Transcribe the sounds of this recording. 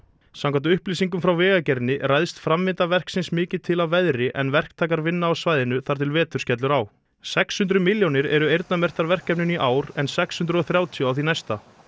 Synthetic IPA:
sawŋkʰant̪ʏʏhpliːsiŋk̬ʏmfɾawvɛːɣacɛɾnɪɾraːjðst̪fɾamːɪnt̪avɛr̥ksɪnsmɪːcɪt̪ʰɪlavɛðɾɪʔɛnvɛr̥kt̪ʰaːkaɾvɪnːaːwsvaːjðɪnʏθaɾt̪ʰɪlvɛːt̪ʏ̥scɛt̪lʏɾaːw | sɛkshʏnt̪ɾʏmɪljownɪɾɛɾʏejɾt̪namɛr̥t̪aɾvɛr̥kːɛpnʏniʔaːwɾɛnsɛkshʏnt̪ɾʏɔθɾjaːwt̪ʰjɔawθinajst̪a

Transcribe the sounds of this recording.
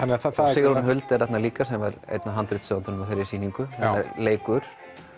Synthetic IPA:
anːaasɪːɣɾunɦœlt̪ɛɾɛt̪naliːkasɛmvaɾḛjt̪naɦant̪ɾɪt̪sœːant̪ʏnmafɪɾɪɾsiːniŋkʏθɛnːɛɾleːjkʏɾ̥

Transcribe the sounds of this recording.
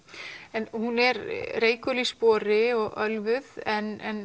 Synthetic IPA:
ɛnhunɛɾreːjkœlispɔːɾɪɔɣœlvʏðɛnɛn

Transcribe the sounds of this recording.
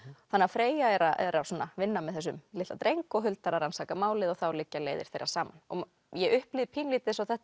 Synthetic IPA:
θanːafɾeːjaɛɾaʔɛɾasɔːnːavɪnːamɛðθɛs̬ːʏmlɪht̪at̪ɾejŋkɔɣɦʏlt̪aɾaɾansaːkamaːwlɪðɔɣθawlɪcːaleːjðɪ̰ɾ̥θejɾa̰̥saːmanɔ̰ | jɛʔʏhplɪðpʰiːnliːt̪ɪsɔwθɛht̪

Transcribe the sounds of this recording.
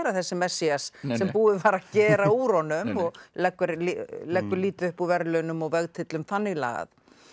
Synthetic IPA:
ɾaθɛsːɪmɛsːiassɛmpuːðɪvaːɾacɛːɾauːɾɔnʏmɔɣlɛkːʏɾlilɛkːʏɾliːt̪ʏhpuvɛɾlœːnʏmɔɣvɛɣt̪ʰɪt̪lʏmθanːɪɣla̰ːɣa̰ð

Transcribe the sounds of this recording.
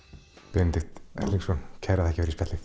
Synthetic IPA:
pent̪ɪhxt̪ɛ̰lːiŋsɔncʰɛjɾaðɛhcɪvɛɾispɛt̪lɪ

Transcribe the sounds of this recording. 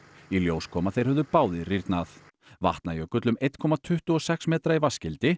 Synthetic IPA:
iljoːwskʰɔːmaθejɾ̥hɛvðʏɾpaːwðɪriɾt̪naθ | va̰ht̪najœkʏt̪lʏmejt̪kʰɔːmat̪ʰʏht̪ʏɔsɛksmɛːt̪ɾaivascɪlt̪ɪ

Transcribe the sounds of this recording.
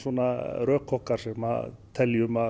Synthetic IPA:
sɔnaɾœːkʰːɔhkaɾsɛma̰t̪ʰɛljʏma

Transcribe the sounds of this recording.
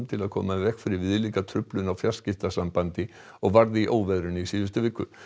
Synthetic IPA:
mt̪ʰɪlaðkʰɔ̰ːmavɛkfɪɾɪɾvɪðliŋkat̪ʰɾʏplʏnawfjḁscɪft̪asampant̪ɪ | ɔɣvaɾðɪiʔoːwvɛðɾʏnisiːðʏst̪ʏvɪːkːʏ̰

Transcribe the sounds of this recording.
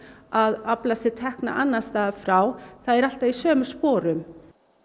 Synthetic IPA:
aðaplasɪɾ̥t̪ʰɛhkna̰ʔanːast̪aːafɾawθaðɛɾal̥t̪avisœːmʏ̥spɔːɾʏm

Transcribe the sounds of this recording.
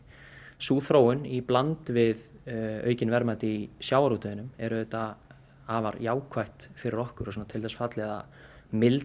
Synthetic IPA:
suːθɾoːwʏniplant̪vɪðœ̰ɥcɪnvɛɾmaːt̪ɪisjaːwaɾut̪œðɪnʏmɛɾʏðɛt̪a | aːvaɾjaːwkʰvajht̪fɪɾɪɾɔhkʏɾɔsɔnat̪ʰɪlθɛsfat̪lɛða̰ | mɪl

